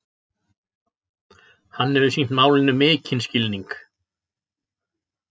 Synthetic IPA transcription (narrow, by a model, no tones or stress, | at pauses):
hanːɛvʏsin̥t̪maːwlɪnːʏmɪːcʰɪnscɪlniŋk